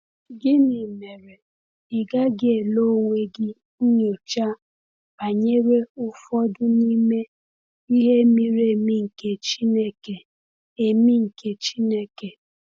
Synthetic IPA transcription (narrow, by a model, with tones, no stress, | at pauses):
ɡɪ˦nɪ˨me˨ɾe˨ | ɪ˨ɡa˦ɡɪ˦e˨lo˦ŋʷe˦ɡɪ˦ | ɲo˨t͡ʃa˦ | a˨ɲe˦ɾe˦ʊ˦fɔ˦dʊ˦ni˦me˦ | i˦ɦe˦mi˦ɾe˨mi˦ŋ̩˨ke˨t͡ʃi˦ne˦ke˨ | e˨mi˦ŋ̩˨ke˨t͡ʃi˦ne˦ke˨